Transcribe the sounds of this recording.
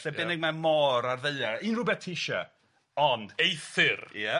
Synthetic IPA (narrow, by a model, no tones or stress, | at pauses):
ɬɛbɛnɪɡ̚mamɔɾarðeɨainrʊbɛtʰɪʃa̰ | ɔndejθɪrjɛ